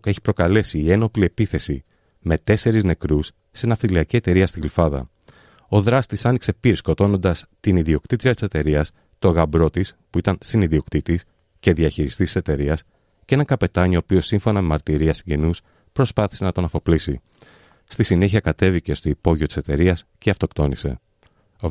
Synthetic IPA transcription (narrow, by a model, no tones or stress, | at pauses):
ke̞çi̥pɾo̞kɐle̞siːe̞no̞plie̞piθe̞si | me̞t̪e̞se̞ɾizne̞kɾusːenɐfθiliɐcie̞t̪e̞ɾiɐst̪iɣlifɐðɐ̰ | o̞ðɾɐst̪isɐnikse̞piɾsko̞t̪o̞no̞nd̪ɐst̪iniðio̞kt̪it̪ɾiɐt̪i̥se̞t̪e̞ɾiɐs | t̪o̞ɣɐbɾo̞t̪ispuit̪ɐnsiniðiokt̪it̪is | ce̞ðiɐçiɾist̪it̪i̥se̞t̪e̞ɾiɐs | cee̞nɐŋkɐpe̞t̪ɐɲio̞ːpio̞siɱfo̞nɐmemɐɾt̪iɾiɐsiɲɟe̞nus | pɾo̞spɐθi̥se̞nɐt̪o̞nɐfo̞plisi | st̪isine̞çiɐkɐt̪e̞vice̞st̪o̞ipo̞ʝiot̪i̥se̞t̪e̞ɾiɐsceɐft̪o̞kt̪o̞nise̞̰